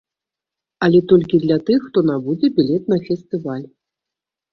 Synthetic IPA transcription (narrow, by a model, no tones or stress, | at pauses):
alʲɛt̪ɔlʲkʲid̪lʲat̪ɨxːt̪ɔnabud͡zʲɛbʲilʲɛt̪̚nɐfʲɛst̪ɨvalʲ